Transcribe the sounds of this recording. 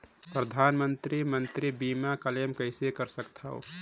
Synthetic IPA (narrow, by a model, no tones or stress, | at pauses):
pɾəd̪ʱaːnmənt̪ɾimənt̪ɾibiːmakəlemkəɪsekəɾsəkt̪ʰəo̰